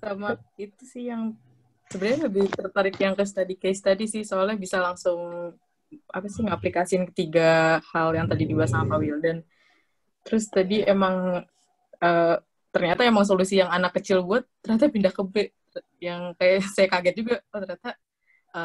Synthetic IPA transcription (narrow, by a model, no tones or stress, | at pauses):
samait̪usɪhjaŋ | səbənaləbɪht̪ərt̪aɾɪkjaŋkəs̬t̪adikast̪adisɪhsoalɛhbisalaŋsʊŋ | ʔapasɪŋaplikasiɪnkə̥t̪iɡahaljaŋt̪adidibuat̪saamawildan | t̪əɾʊst̪adiemaŋ | əː | t̪ərɲat̪aemaŋs̬olusijaŋanakːət͡ʃɪlbuat̪ːərɲat̪̬apindakəbɛʔ | jaŋkajaʔsajakaɡɛt̪̚d͡ʒuɡat̪ərɲat̪a | ə